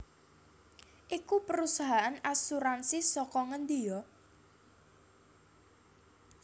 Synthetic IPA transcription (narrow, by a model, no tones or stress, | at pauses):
ʔikupəɾusaɦaʔanasuɾansisɔkɔŋənd̪ijɔ